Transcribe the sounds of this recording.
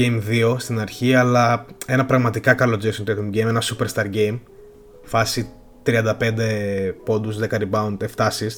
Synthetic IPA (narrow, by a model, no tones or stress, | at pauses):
ejmðio̞st̪inɐɾçiɐlɐe̞nɐpɾɐɣmɐt̪ikɐkɐlo̞d͡zesont̪et̪omɟejme̞nɐsupeɾst̪ɐɾɟe̞jm | fɐsi | t̪ɾiɐnd̪ɐpe̞nd̪e̞po̞nd̪usðekɐɾibɐunt̪eft̪ɐsis